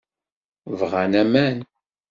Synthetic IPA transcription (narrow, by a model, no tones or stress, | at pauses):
vʁænæmæn